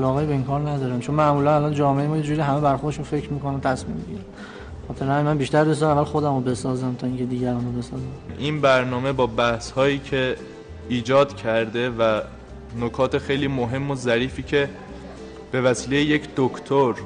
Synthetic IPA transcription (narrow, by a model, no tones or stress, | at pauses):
ælɒːɣejibeiŋkʰɒːɾnæd̪ɒːɾænt͡ʃʰo̞nmæʔmuːlænælɒːnd͡ʒɒːmeemɒːjed͡ʒuːɾiɦæmebæɾxoɾd̪eʃunfe̞cʰɾmiːko̞næmt̪ʰæsmimbeɟḭːɾæm | exɒːt̪ʰe̞ɾænmænbiːʃt̪æɾdes̬zæmævːælxod̪æmobe̞sɒːzæmt̪ʰɒːiŋcʰe̞d̪iːɟæɾɒːnobe̞sɒːzæmʔinbæɾnɒːme̞bɒːbæhshɒːjiːcʰe̞ | iːd͡ʒɒːd̪̥cʰæɾd̪e̞væ | nokʰɒːt̪ʰexejliːmoɦe̞mːozæɾiːfiːcʰe̞ | b̥e̞væsiːlejeje̞cʰd̪̥okʰt̪ʰoɾ